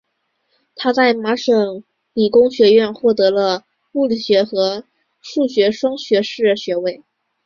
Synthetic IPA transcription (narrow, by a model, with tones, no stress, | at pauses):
t̪ʰa˥t͡sa˥˩ɪma˧˥ʂɤ˨˩ŋ | li˨˩kʊ˥ŋɕɥɛ˧˥ɥɛ˥˧nxwɔ˥˩t̪ɤ˧˥lə˧ | pu˥˩li˨˩ɕɥɛ˧˥xɤ˧˥ | ʂu˥˩ɕɥɛ˧˥ʂwɑ˥ŋɕɥɛ˧˥ʂɻ̩˥˩ɕɥɛ˧˥we˥˩ɪ